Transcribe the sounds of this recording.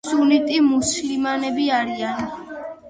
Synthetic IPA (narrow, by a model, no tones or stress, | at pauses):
sunit̪ʼimuslimanɛbiaɾian